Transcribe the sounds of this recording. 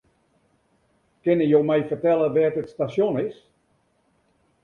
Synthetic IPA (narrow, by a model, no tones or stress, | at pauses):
kɪnəjowmɛjfərtɛlˠəʋɛːtətstasjonɪs